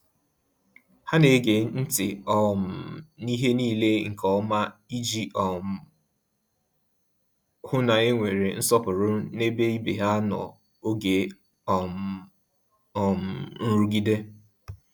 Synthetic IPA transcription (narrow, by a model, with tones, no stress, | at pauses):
ha˦ne˨˦ɡe˨n̩˦tɪ˨ɔ˦˨m̩˨ni˦ɦe˦niː˦˨le˦ŋ̩˨kɔ˦ma˦i˦d͡ʒi˦ɔ˨m˨ | hʊ˦na˨e˦ŋʷe˨ɾe˨n̩˦sɔ˦pʊ˨ɾʊ˦ne˦be˦i˦bḛ˨ɦa˦nɔ̰˨ | o˦ɡe˨ | ɔ˨ | ɔ˨m̩˨n̩˦ɾu˦ɡi˦de˦